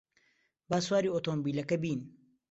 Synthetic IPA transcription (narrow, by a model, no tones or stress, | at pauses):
baːswaːɾiːot̪oːmbiːlɐkɐbiːn